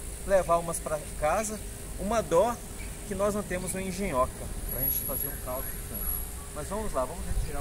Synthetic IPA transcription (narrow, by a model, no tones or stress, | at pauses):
levaũmɐspɾɐ | kazɐ | ũmɐd̪ɔ | kɪnɔznɐ̃w̃t̪ẽmʊzũɐẽʒẽɲɔkɐpɾʔɐʒẽnt͡ʃɪ̥fazeɾũkawdʊikḛ̃tʊ | mɐzvɐ̃mʊzlavɐ̃mʊzet͡ʃiɾa